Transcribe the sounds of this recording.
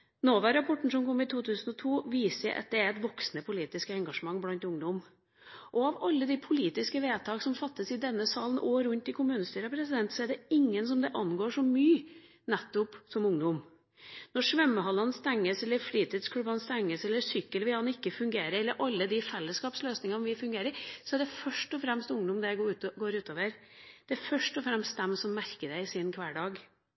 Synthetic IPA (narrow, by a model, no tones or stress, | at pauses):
noːʋæɾɑpʰɔʈːɳ̩sɔmkʰɔmːɪt̪ʰuːt̪ʰʉːsnɔt̪ʰuːʋiːsəəʔɑ̰t̪̚d̪ɛæɾɛt̪ʋɔksnəpʰʊliːt̪ɪskəɛŋɡɑʂəmɑŋːblɑnt̪ʊŋd̪ɔm | ʔɔɑʋɑlːəd̪ɪpʰʊliːt̪ɪskəʋeːt̪ʰɑːksɔmfɑt̪ːəsɪd̪ɛnːəsɑːlən̩ʔoːɾʉnt̪ɪkʰʊmʉːnəst̪yːɾɑpʰɾɛsɪd̪ɛnt̪sɔɛɖɛɪŋːənsɔmd̪ɛʔɑnɡoːʂɔmyː | nɛt̪ːʊpsɔmʊŋd̪ʊm | nɔʂʋɛmːəhɑlːɑnst̪æŋːəsɛlːəɾfɽiːt̪ʰiːd̪skʰɽʉbɑnst̪æŋːəsɛlːəsʏkːəlʋɪlhɑnɪkːəfʉŋɡeːɾəɾɛlːəɾʔɑlːəd̪ɪfɛlːəskɑːpsløːsnɪŋɑnʋɪfʉŋɡeːɾəɾsɔɛæɖɛfœʂʈɔfɾɛmst̪ʊŋd̪ɔmd̪ɛjɡʉɡoːɾʉːt̪oːʋəɾ | d̪̥ɛæɾfœʂʈɔfɾɛmst̪̚d̪ɛmsɔmːæɾkəd̪æɪɪsiːnkʰʋæːɖɑːɡ